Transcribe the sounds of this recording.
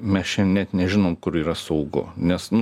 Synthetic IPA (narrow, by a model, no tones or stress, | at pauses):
mʲɛst͡ʃʲɛnʲɛt̪nʲɛʒʲɪnoːmkʊɾiːɾɐsɐʊɡʊ̰nʲɛsn